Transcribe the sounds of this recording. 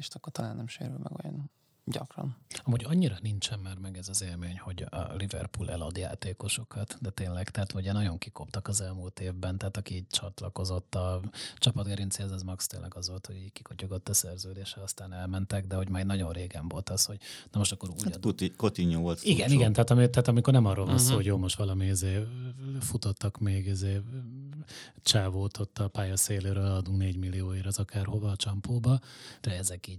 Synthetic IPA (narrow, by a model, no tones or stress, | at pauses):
eʃt̪ɒkːort̪ɒlaːnːɛmʃḛːɾy̰lmɛ̰ɡo̰jo̰n | ɟɒ̰krɒ̰nɒmuɟɒɲːiɾɒnint͡ʃɛmːɛrmɛɡɛzɒzeːlmeːɲho̞ɟɒ̰livɛ̰rpuːlʔɛ̰lɒd̪ja̰ːt̪eːko̞ʃo̞kɒt̪d̪ɛt̪eːnlɛɡt̪ɛɦat̪mouɟɛnɒɟo̞ŋkikopt̪ɒkɒzɛlmuːlt̪eːvbɛnt̪ɛɦːt̪ɒkiiːɟ̚t͡ʃɒt̪lɒ̰ko̞zo̞t̪ːɒt͡ʃɒpɒd̪ɡɛɾinsiɛzɛzmɒkst̪eːnlːʔɛ̰ɡɒzʋo̞lt̪hoɟiːɟki̥kʰocoɡo̞t̪ːɒsɛrzøːd̪eːʃɛɒst̪aːnɛlmɛnt̪ɛɡd̪ɛho̞ɟmaːjnɒɟo̞nreːɡɛɱvo̞lt̪ɒsho̞ɟnɒmo̞ʃt̪ɒkːo̞ɾuːkot̪iɲoːvolt̪iɡɛniɡɛnt̪ɛɦat̪ɒmit̪ɛɦat̪ɒmiko̞rnɛmɒrːoːlvɒnsoːhoɟjoːlmo̞ʃt̪ʋɒlɒmiizeːfut̪ot̪ːɒkmeːɡizeː | t͡ʃaːvoːt̪ʰo̞t̪ːɒpaːjɒseːløːɾølɒd̪uŋneːɟmilːijoːeːɾɒzɒkaːrho̞vɒːt͡ʃɒmpoːbɒd̪̥ɛɛzɛkiːɟ